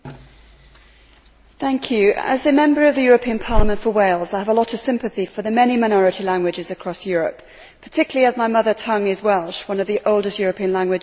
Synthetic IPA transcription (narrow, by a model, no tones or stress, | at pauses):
θæ̃ŋkʰjʉə̰zɨmɛ̃mbə˞ʌvðɨjɔːɹəpʰĩə̃npʰɑɹləmə̃ntfəweɪlˠzaɪəvəlɒɾəv̥sɪ̃mpɨθifəðəmɛnimaɪñɔɹɨɾilæ̃ŋɡwɨd͡ʒɪzəkʰɹ̥ɒsjɔɹəp | pʰə̥tʰɪkjl̩ˠiəzmaɪmʌðətʰʌ̃ŋɪzwɛlˠʃwʌ̃nʌvðiʔoʊlˠdɨstjɔːɹəpʰĩə̃nlæ̃ŋɡwɨ